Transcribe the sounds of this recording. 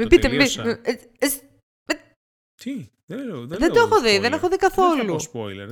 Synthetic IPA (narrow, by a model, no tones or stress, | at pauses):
mibit̪embim | es | me | ðed̪oexoðiðenexoðikɐθo̞lṵ